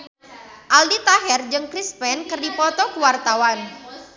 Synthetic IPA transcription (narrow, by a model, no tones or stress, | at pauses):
ʔaldit̪aɦɛrd͡ʒɨŋkɾispɛnkɨrdipɔt̪ɔkuwart̪awan